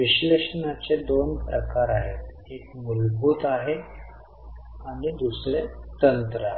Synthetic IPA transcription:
ʋiɕleʂənat͡sed̪onpɾəkaɾaɦet̪ | ekmulbʱuːt̪aɦe | aɽ̃id̪usɾet̪ənt̪ɾəaɦ

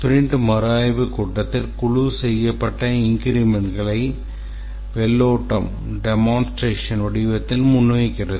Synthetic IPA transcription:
t̪ʊɾɪɳɖɯmɐɾaːjʋɯkʊʈːɐt̪ːɪlkʊɻusɛjːɐpːɐʈːɐɪŋɡɪɾɪmɛɳɡɐɭɐɪ | ʋɛɭːoːʈːɐ̰m | ɖɛmaːnsʈɾeːʂɐnɔɽɪʋɐt̪ːɪlmʊnːɐjɪkːɪrɐðɯ

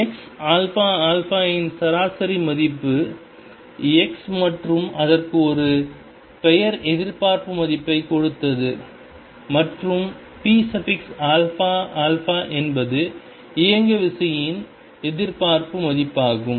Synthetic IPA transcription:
ɛksaːlfaːaːlfaːjɪnsɐɾaːsɐɾimɐðɪpːɯ | ɛksmɐʈrɯmɐðɐrkɯɔɾɯ | pɛjɐɾɛðɪɾpaːɾpɯmɐðɪpːɐɪkɔɻɯt̪ːɐðɯ | mɐʈrɯm | piːsɐfɪksaːlfaːʔaːlfaːʔɛnbɐðɯ | ɪjɐŋɡɐʋɪsɐjɪn | ɛðɪɾpaːɾpɯmɐðɪpːaːɣɯm

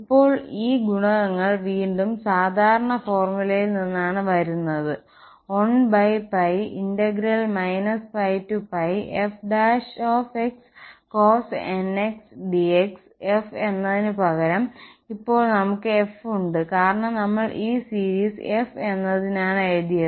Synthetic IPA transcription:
ipːo̞ːɭiːɡuɳɐʋɐŋːɐɭʋiːɳɖumsaːd̪ʱaːɾɐɳɐfo̞ːrmulɐjilninːaːɳɨʋɐɾunːɐðɨ | o̞ɳbɐjpɐjindeɡiɾɐlmɐjnɐspɐjtːupɐjefɖaːʂoːfekskoːseneksɖieks | efe̞nːɐðinɨpɐɣɐɾɐmipːo̞ːɭnɐmukːɨe̞fuɳɖɨkaːɾɐɳɐmnɐmːɐɭʔiːsiːɾiːse̞fe̞nːɐðinaːɳejd̪ijɐ

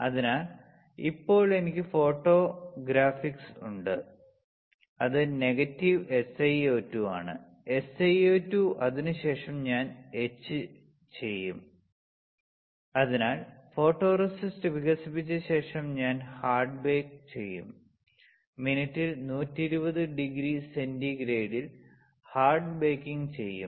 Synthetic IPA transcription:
ɐðinaːl | ḭpːo̞ːɭe̞nikʲːɨfo̞ːʈːo̞ːɡɾaːfiksṵɳɖɨ | ɐðɨne̞ɣɐtːiʋe̞sɐjoːtːuaːɳɨ̰ | e̞sɐjoːtːuʔɐðinɨɕe̞ːʂɐmɲaːne̞t͡ɕːɨ | t͡ɕe̞jːum | ɐðinaːlfo̞ːʈːo̞ːrɐsistɨʋiɣɐsipːit͡ɕːɐɕe̞ːʂɐmɲaːnhaːrɖbe̞ːkt͡ɕe̞jːṵmː | inɐtːilnuːtːiɾubɐðɨɖiɡɾise̞ndiɡɾe̞ːɽil | haːrɖbeːkːiŋt͡ɕe̞jːṵm

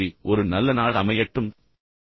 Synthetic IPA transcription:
iʔɔɾɯnɐlːɐnaːɭɐmɐjɐʈːɯm

